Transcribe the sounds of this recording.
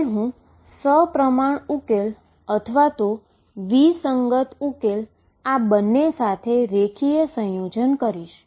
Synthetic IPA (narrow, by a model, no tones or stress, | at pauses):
ɦũ | səpɾəmaɳukel | ət̪ʰəʋat̪o | ʋisəŋɡət̪ukel | abənːesat̪ʰeɾekʰijəsə̃jod͡ʒənkəɾiʃ